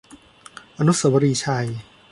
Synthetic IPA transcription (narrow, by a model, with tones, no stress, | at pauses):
ʔa˧nu˦˥sa˨˦wa˧ɾiː˧˩t͡ɕʰa˧j